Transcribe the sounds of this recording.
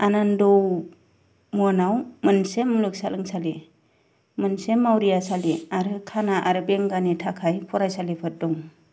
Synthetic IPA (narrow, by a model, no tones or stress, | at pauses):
anandɔw | mɔnawmɯnsemːlɯk̚salɯŋsali | mɯnsemawɾijasaliaɾɯkʰanaʔaɾɯbeŋɡanitʰakʰajpʰɔɾajsalipʰɯt̚dɔŋ